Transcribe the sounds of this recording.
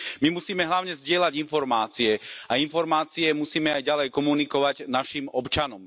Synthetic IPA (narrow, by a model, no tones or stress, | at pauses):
mimusiːmɛɦlaʊɲɛzɟɪɛlaɟinfɔɾmaːt͡siɛainfɔɾmaːt͡siɛmusiːmɛajɟalɛjkɔmunikɔʋaɟnaʃimɔpt͡ʃanɔm